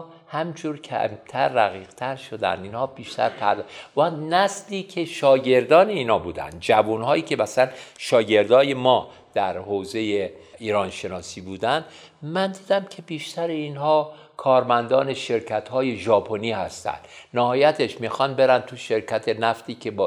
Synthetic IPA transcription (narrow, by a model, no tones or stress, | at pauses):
hæmid͡ʒuːɾcʰæ̰mt̪ʰæɾːæɣiːɣ̥t̪ʰæɾʃo̞d̪æ̰nd̪iːnhɒːbiːʃt̪æ̰ɾpʰæɾd̪ænæsliːcʰe̞ʃɒːɟe̞ɾd̪ɒːneiːnɒːbuːd̪æ̰nd̪̚d͡ʒævunhɒːiːcʰe̞bæsænʃɒːɟe̞ɾd̪ɒːje̞mɒː | d̪̥æɾhoːze̞jeiːɾɒːnʃe̞nɒːsiːbuːd̪ænd̪̥ | mænd̪iːd̪æmcʰe̞biːʃt̪ʰæɾeiːnhɒː | kʰɒːɾmænd̪ɒːne̞ʃe̞ɾcʰæt̪hɒːje̞ʒɒːpʰo̞niːhæst̪æ̰nd̪̥næhɒːjæt̪ʰe̞ʃmixɒnbe̞ɾænd̪t̪ʰuʃe̞ɾcʰæt̪ʰe̞næft̪iːkʰe̞b